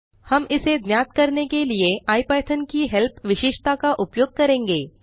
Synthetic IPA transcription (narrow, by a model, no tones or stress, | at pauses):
hɐmɪsed̪njaːt̪kɐɾnekelieʔaːipɛːʈ̪ʰənkiɦɛlpʰʋɪʃɪʃt̪akaʔʊpjoːɡ̚kɐɾẽːŋɡeː